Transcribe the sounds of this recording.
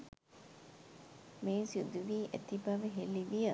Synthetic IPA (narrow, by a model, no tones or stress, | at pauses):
meːnsiud̪uʋiːʔæ̰t̪ibaʋəɦelːiʋijə